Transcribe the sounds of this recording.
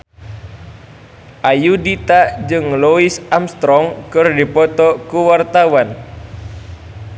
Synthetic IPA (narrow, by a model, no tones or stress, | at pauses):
ʔajudit̪aʔd͡ʒɨŋluɪsamst̪ɾɔŋkɨrdipɔt̪ɔkuwart̪awan